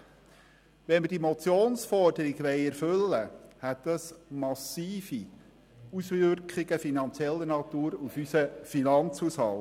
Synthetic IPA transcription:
ʋɛnməd̥imɔt͡sjoːnsfɔrdəɾiɡʋɛɪɛɾfɵlːəhɛt̪ɛsmɑsiːfi | usʋʏɾkχɪɡ̥əfinɑnt͡sjɛlːənɑt̪uːɾufysəfinɑnt͡shushɑl

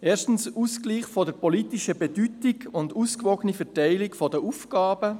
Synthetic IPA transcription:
eːʃtn̩suskliːχfɔdəɾpɔliːtɪʃəbɛdytɪɡʊnduːskvɔɡənifɛtaɪlɪkfɔdəʔufɡ̥ɑːb̥ə

